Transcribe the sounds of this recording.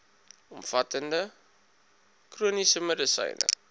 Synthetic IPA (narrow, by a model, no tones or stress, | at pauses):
ɔmfɐtəndə | kruənisəmədəsɐ̰jnʔə̰